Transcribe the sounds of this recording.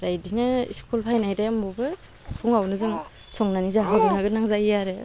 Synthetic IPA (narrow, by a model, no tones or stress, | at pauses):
ɾajdinɯḭskʰulpʰajnajdambubɯ | pʰuŋawnɯzɯŋ | sɔŋnanizaɦɯɡɯnaɡɯnaŋzajjaɾe